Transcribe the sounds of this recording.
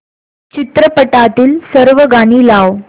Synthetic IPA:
t͡ɕit̪ɾəpəʈat̪iːlsəɾʋəɡañiːlaw

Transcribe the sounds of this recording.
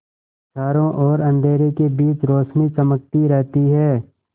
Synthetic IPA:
t͡ʃʰaːɾõʔɔːɾɐ̃nd̪ʱeːɾekebiːt͡ʃɾoːʃnit͡ʃəmək̚t̪iɾɛɦt̪iɦɛː

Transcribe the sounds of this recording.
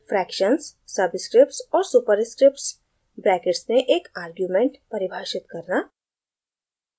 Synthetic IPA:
fɾɛːkʃənsːɐbskɾɪp̚ʈsɔːɾsupəɾskɾɪp̚ʈs | bɾɛːkeʈsneʔeːkaːɾɡjuːmẽɳʈpɐɾɪbʱaːʃɪt̪kɐɾnaː

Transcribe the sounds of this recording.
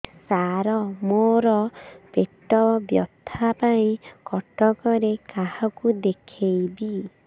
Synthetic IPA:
saɾɔmoɾɔpeʈɔbjɔd̪ʱapaĩkɔʈɔkɔɾekahɔkud̪ekʰejbi

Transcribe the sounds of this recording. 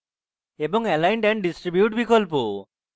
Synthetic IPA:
ebɔŋelajnʈɛɳ̚ɖisʈɾibjuʈbikɔlp̬u

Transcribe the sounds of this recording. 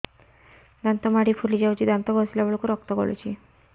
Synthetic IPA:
d̪ant̪əmaɽiːfuliːd͡ʑawt͡ɕiːd̪ãnt̪əɡʱɔsljabəɭkuɾək̚t̪əɡo̰ɭṵt͡ɕiː

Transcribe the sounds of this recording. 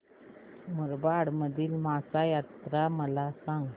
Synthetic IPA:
muɾbaɽməd̪ʱiːlmasajat̪ɾaməlasãŋɡ

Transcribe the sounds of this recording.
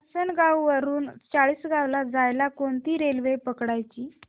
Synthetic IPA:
sənɡawʋəɾuːnt͡saɭiːsɡawlad͡zajlakoɳt̪iːɾelʋepəkɽajt͡ɕiː

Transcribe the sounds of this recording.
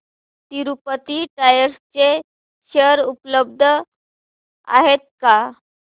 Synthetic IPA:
t̪iɾupət̪iʈajəɾst͡se | ɕəɾupləb̚d̪ʱə | a̰ɦet̪̚ka

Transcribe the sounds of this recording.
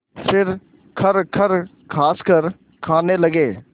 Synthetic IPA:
fɪɾ | kʰəɾkʰəɾ | kʰaːskəɾ | kʰaːneːləɡeː

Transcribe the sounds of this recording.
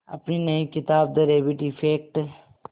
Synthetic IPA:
ɐ̰pninɐikɪt̪aːbd̪əɾeːʋɪʈipʰeːk̚ʈ

